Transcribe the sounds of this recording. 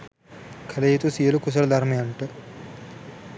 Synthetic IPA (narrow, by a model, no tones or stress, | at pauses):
kʰɐlɐjit̪usijɐlukus̬ɐlɐd̪ʱaɾmɐjaɳʈɨ